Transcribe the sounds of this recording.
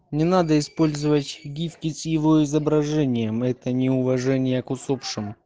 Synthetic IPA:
nʲɪnad̪əɪspo̞lʲzɨvətʲɡʲifkʲɪsjɪvo̞ɪzəbɾɐʐɛnʲɪjəmɛt̪ənʲɪʊvɐʐɛnʲɪjəkʊsopʂɨm

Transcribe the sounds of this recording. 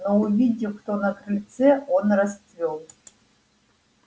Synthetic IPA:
nouvʲidʲɪkt̪onakrʲɨlʲt̪t͡seonrast̪vʲolˠ

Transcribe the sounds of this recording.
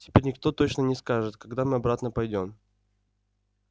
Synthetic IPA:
tʲɪ̥pʲeɾʲnʲɪkt̪o̞t̪o̞t͡ɕnənʲɪskaʐɨt̪kɐɡd̪amɨɐbɾat̪nəpɐjdʲo̞m

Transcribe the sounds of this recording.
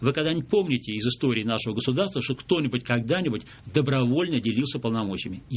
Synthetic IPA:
vɨkɐɡd̪anʲɪpo̞mnʲɪtʲɪɪzɨst̪o̞ɾʲɪːnaʂəvəɡəsʊd̪arst̪vəʂt̪okt̪o̞nʲɪbʊtʲkɐɡd̪anʲɪbʊtʲ | d̪əbɾɐvo̞lʲnədʲɪlʲilˠsʲəpəlˠnɐmo̞t͡ɕɪɪmʲɪ

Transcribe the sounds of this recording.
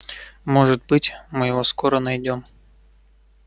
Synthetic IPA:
mɔʐɨt̪̚bɨtʲmɨjɪvɔskɔɾɐnɐjdʲɔm

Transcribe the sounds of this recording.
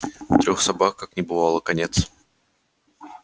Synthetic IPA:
t̪ɾʲoxsɐbakkːaknʲɪbɨvalˠəkɐnʲet̪s

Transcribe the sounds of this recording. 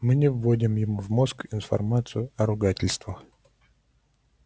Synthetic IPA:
mɨnʲɪvːodʲɪmjɪmuvmo̞skɪnfɐ̰rmat̪sɨjʊɐɾʊɡatʲɪlʲst̪və

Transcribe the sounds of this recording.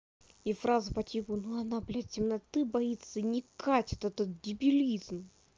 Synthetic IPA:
ifɾazʊpɐtʲipʊnuɐnablʲatʲɪmnɐt̪ɨbɐit̪sənʲɪkatʲɛt̪ɛt̪ət̪̚dʲɪbʲilʲizm

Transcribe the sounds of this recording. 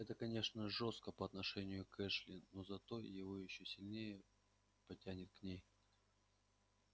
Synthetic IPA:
ɛt̪əkɐnʲe̞ʂnəʐost̪̚kəpəɐt̪nɐʂɛnʲɪjʊkɛʂlʲɪnozɐt̪o̞jɪvo̞jɪɕːosʲɪlʲnʲejə | pɐtʲænʲɪt̪̚knʲej

